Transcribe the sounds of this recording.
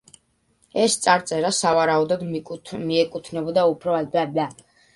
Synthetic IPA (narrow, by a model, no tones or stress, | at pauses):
ɛst̪sʼaɾt̪sʼɛɾasavaɾaud̪ɔd̪miɛkʼut̪ʰnɛbɔd̪aupʰɾɔɛbaba